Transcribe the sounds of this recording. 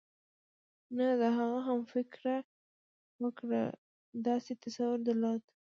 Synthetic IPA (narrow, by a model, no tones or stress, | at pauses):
nad̪əɦaɣaɦamfɪkɾa | wəkɽa̰ | d̪ɑset̪asawʊɾd̪əlɑt̪